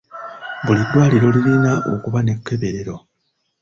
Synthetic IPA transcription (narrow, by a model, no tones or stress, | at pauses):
bulidːwaːliɾo̞lilinaʔo̞kuβane̞kːe̞βeɾe̞ɾo̞